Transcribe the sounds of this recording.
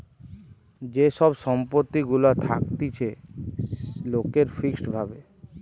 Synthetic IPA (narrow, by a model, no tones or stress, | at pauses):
d͡ʑeʃɔbʃɔmpot̪ːiɡulat̪ʰa̰k̚t̪it͡ɕʰe | lokeɾfiksbʱabe